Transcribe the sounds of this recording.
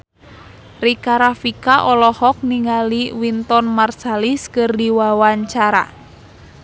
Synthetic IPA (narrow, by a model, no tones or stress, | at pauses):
rikaɾafikaʔɔlɔhɔk̚niŋaliwint̪ɔnmarsaliskɨrdiwawaɲt͡ʃaɾa̰